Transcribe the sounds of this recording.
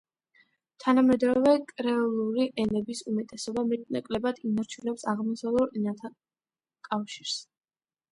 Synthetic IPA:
t̪ʰanamɛd̪ɾɔvɛkʼɾɛɔlˠuɾiʔɛnɛbisumɛt̪ʼɛsɔbamɛnakʼlɛbad̪inɔɾt͡ʃʰilɛpsaʁmɔsalˠuɾɛnat̪ʰa | kʼafʃiɾs

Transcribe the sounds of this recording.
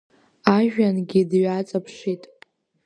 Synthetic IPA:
aʒᶣanɡʲidɥat͡sʼapʰʂitʼ

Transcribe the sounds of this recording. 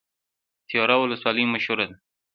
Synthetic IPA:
t̪ijɑɾawʊləswɑləjmaʃhʊɾad̪a

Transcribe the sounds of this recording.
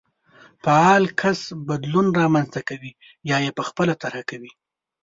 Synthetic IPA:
paɑlkʰasbad̪lunɾɑmanzt̪akawi | jɑjepəxpəlat̪aɾhakawi

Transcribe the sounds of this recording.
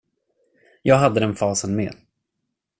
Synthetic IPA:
jɑːɡɦad̪ːəd̪ɛnfɑːsənmḛːd̪

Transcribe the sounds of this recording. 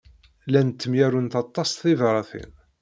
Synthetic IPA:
lænt̪ːəmjæɾunt̪ɑt̪ˤːɑst̪θivɾˤɑθḭn

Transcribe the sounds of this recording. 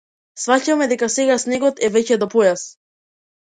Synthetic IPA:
svacamɛd̪ɛkasɛɡasnɛɡɔt̪ɛvɛcɛd̪ɔpɔjas

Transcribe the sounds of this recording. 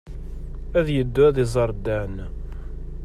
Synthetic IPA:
æðjəd̪ːʊæðizˤɑɾˤd̪ːæn

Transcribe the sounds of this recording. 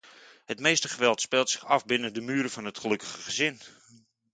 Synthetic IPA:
hətmeːstəχəʋɛlˠtspɛlˠtsɪ̥χɑfbɪnədəmyːɾəfɔnɦətχəlɵkə̥χəχəzɪn

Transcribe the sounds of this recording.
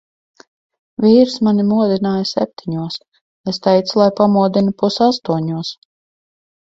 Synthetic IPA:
vʲiːɾsmanimuɔd̪inaːjasʲɛ̰p̚t̪ʰiɲuɔs | est̪ɛjt̪slˠajpamuɔd̪inupusast̪uɔɲuɔs

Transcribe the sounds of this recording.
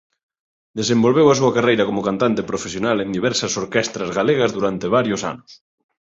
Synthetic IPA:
d̪esẽmbolβewas̬uɐkarejɾɐkomʊkant̪ant̪epɾofesjonalẽnd̪iβ̞ɛɾsɐsoɾkɛst̪ɾɐzɣaleɣɐzðuɾant̪eβ̞aɾjʊsa̰nʊs

